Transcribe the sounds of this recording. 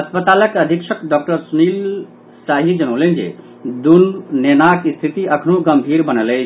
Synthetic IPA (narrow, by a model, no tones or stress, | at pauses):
əspət̪aləkəd̪ʱikʃʰəkɖɔk̚ʈəɾsunil | saɦid͡ʒənəwlənd͡ʒḛ | d̪unnenakist̪ʰit̪iəkʰnuɡəmbʱiɾbənələ